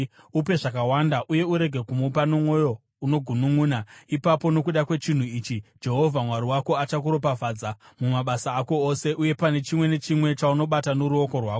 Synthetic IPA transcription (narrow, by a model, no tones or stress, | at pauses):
upe̞ʐakawandaʔuje̞uɾe̞ɡʱe̞kumupanomwo̞jo̞ | uno̞ɡʱunuŋuːnaipapo̞no̞kuɗakwe̞t͡ʃin̤uiːt͡ʃid͡ʒe̞ɦo̞vʱamwaɾiwako̞at͡ʃakuɾo̞pavʱaːd͡zamumaɓasaːko̞ose̞ʔuje̞pane̞t͡ʃimwe̞ne̞t͡ʃimwe̞t͡ʃauno̞ɓatanoɾuo̞ko̞rwaːko